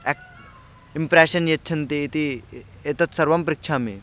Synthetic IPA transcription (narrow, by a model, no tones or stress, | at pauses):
ɛk̚ | impɾeɕənjet̪̚t͡ʃʰɐnt̪iːt̪i | et̪ɐt̪sɐɾʋɐmpɾɪkʂʰamḛ